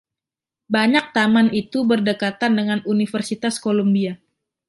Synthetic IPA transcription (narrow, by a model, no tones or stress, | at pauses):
baɲak̚t̪amanit̪ubərdəkat̪andəŋanunifərsit̪askolombia